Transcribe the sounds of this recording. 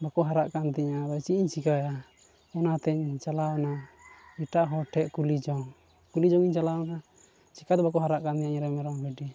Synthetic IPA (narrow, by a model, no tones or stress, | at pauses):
bakɔɦaɾaʔkant̪ɛɲabat͡ʃiʔiɲt͡ʃikaja | ɔnat̪ɛɲt͡ʃalawɔnaiʈaʔɦɔʈʰɛʔkulid͡ʒɔŋ | kulid͡ʒɔŋiɲt͡ʃalawna | t͡ʃikat̪ɛbakɔɦaɾaʔkant̪iɲaɲɾɛmɛɾɔŋbɛɖi